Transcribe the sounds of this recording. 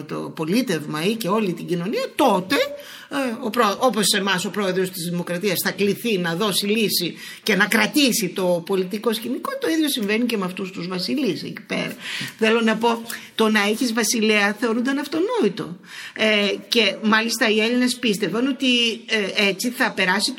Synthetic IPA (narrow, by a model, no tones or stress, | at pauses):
t̪o̞̰po̞lit̪e̞vmɐice̞o̞lit̪iɟino̞niɐt̪o̞t̪e̞ | opɾoʔo̞po̞se̞mɐso̞pɾo̞e̞ðɾo̞st̪izðimo̞kɾɐt̪iɐsθɐkliθinɐðo̞silisi | ce̞nɐkɾɐt̪isit̪o̞po̞lit̪iko̞sçiniko̞t̪o̞iðʝo̞siɱve̞nice̞meɐft̪ust̪uzvɐsilisḛci̥pe̞̰ɾɐθe̞lo̞nɐpo̞t̪o̞nɐeçizvɐsileɐθeo̞ɾund̪ɐnɐft̪o̞no̞it̪o̞̰ | ece̞mɐlist̪ɐie̞line̞spist̪e̞vɐno̞t̪ieet͡siθɐpe̞ɾɐsi